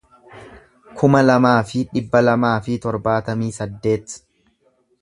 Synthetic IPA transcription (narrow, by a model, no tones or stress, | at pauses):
kʰʊmɐlɐmaːfɪᶑɪbːɐlɐmaːfɪt̪ɔɾbaːt̪ɐmiːsɐd̪ːe̞ːt̪